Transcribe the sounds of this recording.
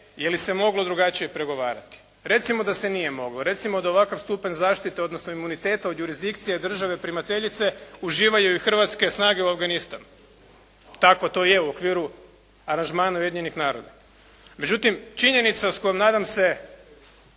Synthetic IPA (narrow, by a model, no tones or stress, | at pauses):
jelise̞mo̞ɡlˠo̞d̪ɾuɡat͡ʃijepɾe̞ɡo̞ʋaːɾa̰t̪i̥ | ɾe̞t̪simo̞d̪ase̞nije̞mo̞ɡloɾe̞t̪simo̞d̪ao̞ʋakaʋst̪upaɲzaːʃt̪it̪eod̪nosnoimunit̪e̞ːt̪aod̪juɾizd̪ikt̪sijed̪r̩ʒaʋe̞pɾimat̪e̞ʎit̪se̞uʒiːʋajuixr̩ʋat̪ske̞snaːɡeuafɡanist̪a̰n | t̪ako̞t̪o̞ːje̞uokʋiːɾu | aɾanʒmaːnaujeiɲenixnaːɾo̞d̪a̰ | me̞d͡ʒut̪imt͡ʃiɲe̞nit̪sausko̞jemnaːd̪amse̞